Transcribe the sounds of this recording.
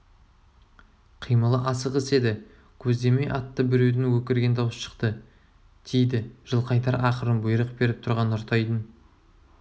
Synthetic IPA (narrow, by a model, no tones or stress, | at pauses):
qʰijməlˠəʔɑsəqɪse̞d̪ɪ | kʲʰɵzd̪e̞me̞jʔɑt̪ːəbɪɾed̪ɪnwɵkʲɪɾɡʲe̞nd̪ɑwəsʃə̥qt̪ə | d̪̥e̞jd̪ɪʒ̥əlˠqʰɑjt̪ɑɾʔɑqəɾənbʊjɾəq̚be̞ɾɪp̚t̪ʰʊɾʁɑnʊɾt̪ʰɑjd̪ən